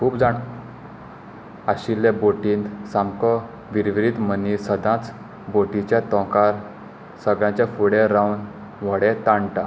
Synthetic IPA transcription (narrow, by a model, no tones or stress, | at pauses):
kʰuːbd͡zaɳ | aɕilːeboʈiːnd̪samkɔ | ʋiɾʋɾit̪mənisəd̪ãt͡s | boʈit͡ɕjat̪ɔ̃kaɾ | səɡɭjãt͡ɕjafuɽeɾawn | ʋəɽet̪ãɳʈa